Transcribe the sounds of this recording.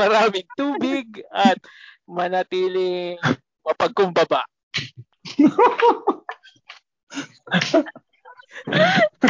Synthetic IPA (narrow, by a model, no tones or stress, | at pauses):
mɐɾaːmɪŋt̪uːbɪɡɐt̪̚ | mɐnɐt̪iːlɪŋ | mɐpɐɡ̚kːʊmbɐba̰ʔ